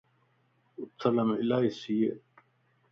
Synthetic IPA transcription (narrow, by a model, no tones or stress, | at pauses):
ʊt̪ʰːɐlɐmilaːisije